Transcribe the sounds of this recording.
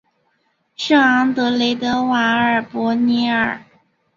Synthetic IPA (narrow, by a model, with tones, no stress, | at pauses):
ʂɑ˥˩ŋɑ˧˥ŋt̪ɤ˧˥le˧˥ɪt̪ɤ˧˥wa˧˥ə˞˨˩pwɔ˧˥ni˧˥ə˞˨˩